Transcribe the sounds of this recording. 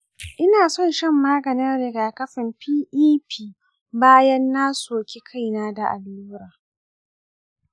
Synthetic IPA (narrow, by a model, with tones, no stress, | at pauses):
ʔɪ˦naː˨sɔ˦˨nʃɛ˦mːaː˦ɡɐ˨nɪ˦nɾɪ˨ɡaː˨kɐ˦ɸɪ˨mpiː˦ʔiː˦pʰiː˦ | baː˦jɐ˦nːaː˦soː˨kʲe˦kʰa˦˨jnaː˦da˨ʔa̰˨luː˦ɾaː˨